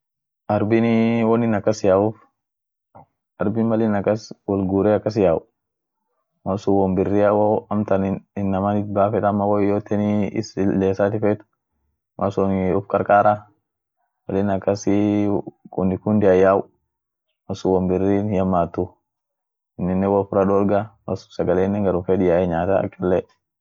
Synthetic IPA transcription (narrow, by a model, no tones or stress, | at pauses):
ʔɐɾbɪnwɔnɪnɐkːɐsjaːʊf | ʔɐɾbɪnmɐlɪnɐkːɐswɔlɡuːɾɛɐkːɐs̬jaːw | mɐsuwɔmbɪrːiɐwɐɐmt̪ɐnɪnːɐmanɪt̪̚baːfɛᶑ̪ɐmːɐwɔjoːt̪ːɛnɪɪ̰sleːsaːt̪ɪfɛt̪ʊ̥ | mʔɐ̰sɔnʊfkʼɐɾkʼaːɾa | wɐlɪnɐkːɐs | kʼʊnɪkʊnd̪ɪɐjaːw | mɐsuwɔmbɪrːiːnjɐmːaːt̪ːʊ | ɪnːɪnːɛwɐfʊɾɐᶑoːlɡamɐ̰sʊ̥sɐɡɐleːnːɛŋɡɐɾʊfɛdɪjaːɛɲaːt̪ɐɐ̰kʼːɐlːɛ